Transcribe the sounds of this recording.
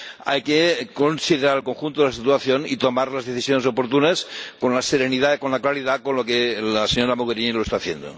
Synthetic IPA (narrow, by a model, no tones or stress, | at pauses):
a̰jkekonsiðeɾaɾelkoŋxunt̪oðelasit̪uaθjonḭt̪omaɾlazðeθisjonesopoɾt̪unaskonlaseɾeniðakonlaklaɾiðakonlokelaseɲoɾamoɣeɾiniloest̪aːθjḛnd̪o̰